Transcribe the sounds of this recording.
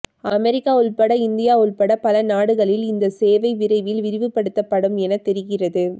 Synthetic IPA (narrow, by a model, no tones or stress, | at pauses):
ɐmɛɾɪkːaːʊɭpɐɽɐɪnd̪ɪjaːʊɭpɐɽɐpɐlɐnaːɽɯɣɐɭɪlɪnd̪ɐseːʋɐɪʋɪɾɐɪʋɪlɪʋɪɾɪʋɯpːɐɽɯt̪ːɐpːɐɽɯmɛnɐt̪ːɛɾɪɣɪrɐðɯ